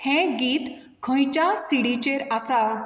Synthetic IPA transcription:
hɛ̃ɡiːt̪ | kʰə̃jt͡ɕasiɽit͡ɕeɾasaw

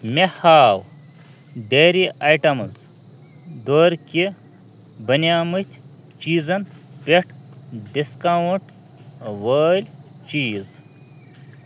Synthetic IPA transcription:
mʲehaːw | ɖeːɾiʔɐjʈɐmɨz | d̪oːɾkʲi | bɐnʲaːmɨt̪ʲʰ | t͡ʃiːzɐn | pʲeʈ | ɖiskawuɳʈ | ʋəːlʲ | t͡ʃiːz

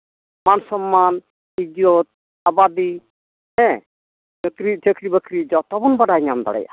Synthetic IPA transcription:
mansɔmːan | id͡ʒot̪̚ | abad̪i | ɛ̃ | ekɾitʰekɾibəkɾid͡ʒɔt̪ɔbɔnbaɖajɲamd̪ɔ̰ɽɛ̰ja̰

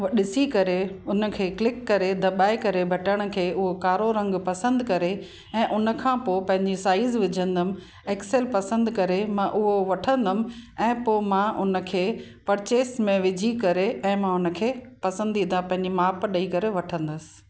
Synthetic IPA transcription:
ɗɪsikɐɾeʊnə̆kʰeːklɪkːɐɾed̪ɐɓaːekɐɾebʱɐʈəɽ̃ə̆kʰeːʊɦokaːɾoɾɐ̃ŋɡpɐsə̃nd̪kɐɾe | ɛ̃ːʔʊnə̆kʰãːpoːpɐ̃ɦɪ̃ɲd͡ʑisaːɪzʋɪd͡ʑʱə̃nd̪əmɪ̆ | eːksɛlpɐsə̃nd̪kɐɾemãʔʊɦoʋɐʈʰə̃nd̪əmɪ̆ɛ̃ːpoːmãʔʊnə̆kʰeː | pɐɾɪt͡ɕeːsmẽʋɪd͡ʑʱikɐɾeʔɛ̃ːmãʊnə̆kʰeː | pɐsə̃nd̪ĩːãpɐ̃ɦɪ̃ɲd͡ʑimaːpɗɐikɐɾeʋɐʈʰə̃nd̪ʊsɪ̥̆

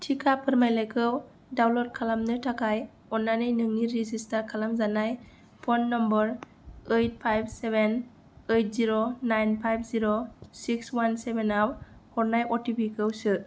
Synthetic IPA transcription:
tʰikʰapʰɯɾmajlajkʰɯw | dawlɔɾ̚kʰalamnɯtʰakʰaj | ɔnːanɯjnɯŋniɾizistaɾkʰalamzanaj | pʰɔnːɔmbəɾ | ejt̚pʰajb̚ʰseben | ejt̚ziɾonajnpʰajp̚ʰziɾosikswansebenawhɔɾnajɔtipikʰɯwsɯ

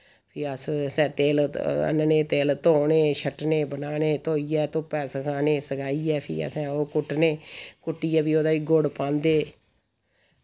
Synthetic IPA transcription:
pʰɪəssɛ̃ːt̪eːlə̰nneːt̪eːlt̪oːneːʃʰəʈneːbənaːneːt̪oːiɛːt̪õːpɛːsəkʰaːneːsəkaːiːɛːpʰḭːə̰sɛ̃ːoːkʊʈneːkʊʈːiːɛːbiːoːd̪aːʋiːɡoɽpãːnd̪eː

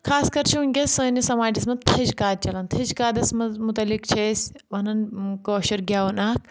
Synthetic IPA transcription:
kʰaːskɐɾt͡ʃʰuːnʲɡʲɐsəːnisɐmaːʈismɐt̪ʰɐd͡ʒkaːd̪̚t͡ʃɐlɐnt̪ʰɐd͡ʒkaːd̪ɐsmɐmut̪ɐlikt͡ʃʰeːsʲ | ʋɐnɐnkoːʃɐɾɡʲaːɐnaːk̚

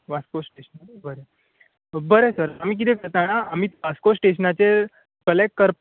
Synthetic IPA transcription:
ʋaskosʈeɕənabəɾe | bəɾesəɾam̤iːk̬it̪ʰekəɾt̪añaamiːt̪ʋaskosʈeɕənat͡se | kəlekːəɾp

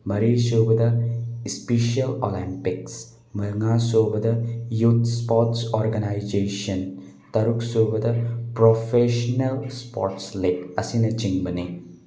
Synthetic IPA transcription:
mɐɾiːʃoːbɐd̪ɐspiːʃiɐlo̰ːlimpiks | mɐlŋaːsoːbɐd̪ɐjuːt̪spoːʈsoːɾɡɐnaːjd͡ʒeːʃɐn | t̪ɐɾuksoːbɐd̪ɐpɾoːfeːʃɐnɐlspo̰ːɾʈsleɐsinɐt͡ʃiŋbɐni

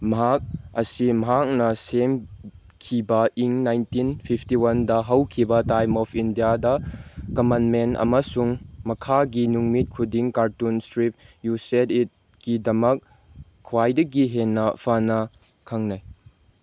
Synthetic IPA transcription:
mɐɦak̚ɐsimɐɦak̚nɐsem | kʰibɐiŋnajntinpʰipʰtiwɐndɐɦɐwkʰibɐtajmɔpʰindijadɐkɐmanmentɐ̰mɐsuŋmɐkʰaɡinuŋmit̚kʰudiŋkaɾtunstɾip̚jusetit̚ | kidɐmɐk̚ | kʰːwajdɐɡiɦenːɐpʰanɐ | kʰɐŋnaj

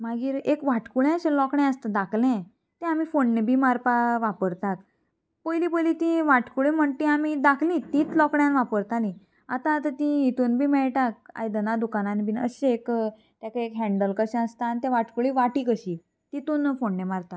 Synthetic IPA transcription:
maɡiːɾekʋaʈkuɭɛ̃əɕẽlɔkɳɛ̃əst̪ad̪akʰlɛ̃ | t̪ɛ̃amifonːebʱimaɾpaʋapəɾt̪ak̚ | pəjlipəjlit̪ĩʋaʈkuɭĩm̤əɳt̪ĩamid̪akʰlĩt̪ĩːt͡slɔkɳjanʋapəɾt̪alĩ | at̪ãt̪ət̪ĩit̪uːnbʱiːmɛɭʈak̚a̰jd̪ənad̪ukananibʱinəɕeek | t̪jakaekɦɛ̃ɳɖəlkəɕɛ̃əst̪aːnt̪ɛ̃ʋaʈkuɭiʋaʈikəɕi | t̪it̪uːnfoɳːemaɾt̪a

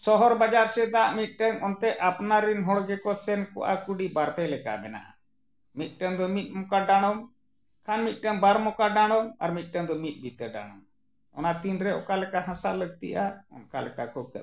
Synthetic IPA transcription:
sɔɦɔɾbad͡ʒaɾsɛd̪aʔmit̪̚ˀʈəŋɔnt̪ɛʔapnaɾinɦɔɽɡɛkɔsɛnkɔ̰ʔa̰kuɖibaɾpɛlɛka̰mɛna̰ʔa̰ | mit̪̚ʈəŋd̪ɔmit̪̚ˀmɔkaɖaɽ̃ɔm | kʰanmit̪̚ˀʈəŋbaɾmɔkaɖaɽ̃ɔma̰ɾmit̪̚ˀʈəŋd̪ɔmit̪̚ˀbit̪əɖa̰ɽ̃ɔm | ɔ̰nat̪inɾɛʔɔkalɛkaɦãsaləɡ̚t̪ḭʔaɔ̰nkalɛkakɔkə̰

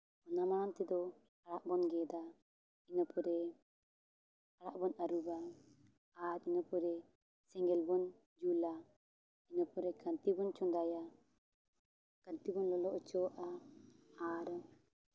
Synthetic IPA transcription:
ɔnamaɾant̪ɛd̪ɔ | aɽaʔbɔnɡɛd̪a | inɔpɔɾɛ | aɽaʔbɔnaɾubaː | ɾinɔpɔɾɛ | sɛŋɡɛlbɔn | d͡ʒula | inɔpɔɾɛkant̪ibɔnt͡ʃɔnd̪aja | kant̪ibɔnlɔlɔʔt͡ʃɔʔa | aɾ

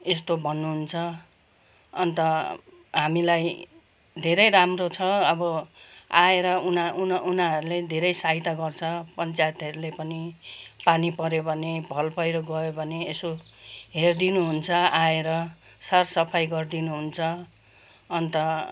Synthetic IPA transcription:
est̪obʱʌnːuɦunt͡sʰʌ | ʌnt̪ʌ | ɦamilaj | d̪ʱeɾʌjramrot͡sʰʌʌbʌaeɾʌunaununaɦʌɾuled̪ʱeɾʌjsaɦit̪aɡʌrt͡sʰʌpʌnt͡sajt̪ʌɾulepʌnipanipʌɾjobʱʌnebʱʌlpʌjɾoɡʌjobʱʌneːso | ɦerd̪inuɦunt͡sʰʌaeɾʌ | sarsʌpʰajɡʌrd̪inuɦunt͡sʰʌ | ʌnt̪ʌ

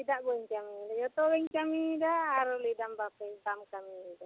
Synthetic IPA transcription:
idaʔbɔɲt͡ʃamidad͡ʒɔt̪ɔwɛŋt͡ʃamidaːɾulidambaket̪amkamida

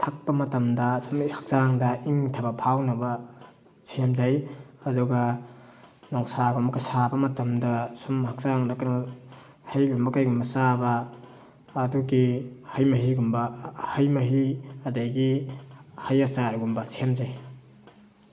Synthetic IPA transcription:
tʰak̚pɐmɐtɐmdɐsumhak̚zaŋdɐʔiŋtʰabɐpʰawnɐbɐ | sʰemzajɐduɡɐ | nɔŋsaɡumbkɐsabɐmɐtɐmdɐsumhak̚zaŋdakna | hajɡumbɐkajɡumbɐsabɐː | duɡihajmɐɦiɡumbɐhɐjmɐɦiɐdajɡi | hajasaɾɡumbɐsʰemzaj

